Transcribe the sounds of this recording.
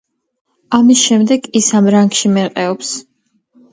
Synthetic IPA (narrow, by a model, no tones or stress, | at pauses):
amisʃɛmd̪ɛɡisamɾaŋɡʃimɛqʼɛɔps